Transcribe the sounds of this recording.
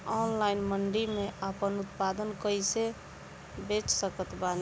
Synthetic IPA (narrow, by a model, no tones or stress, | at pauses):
ɔːnlaɪnməɳɖimẽʔəpənʊt̪pad̪ənkəise | bet͡ʃsəkət̪ban